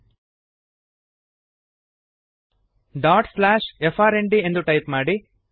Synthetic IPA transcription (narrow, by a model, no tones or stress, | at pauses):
ɖaːʈslaːʃefʰaːɾeɳɖie̞nd̪uʈɐjpmaːɽi